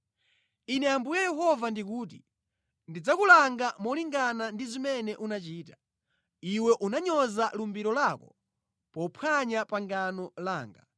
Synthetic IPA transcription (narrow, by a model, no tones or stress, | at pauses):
inɛambujajɛɦɔvandik̬uːt̬i | ndid͡zakulaŋɡamɔliŋɡanandizimɛnɛʔunat͡ʃiːtḁ | iwɛʔunaɲɔzalumbiɾɔlakɔ | pɔpʰwaɲapaŋɡanɔlaːŋɡa̰